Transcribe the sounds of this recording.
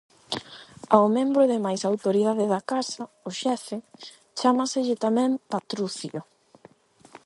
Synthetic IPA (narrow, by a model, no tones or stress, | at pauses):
aomẽmbɾʊðɪmajsawt̪oɾiðaðɪðakasɐ | ʊʃɛfɪ | t͡ʃamasɪʎɪt̪amɛ̃mpat̪ɾuθjo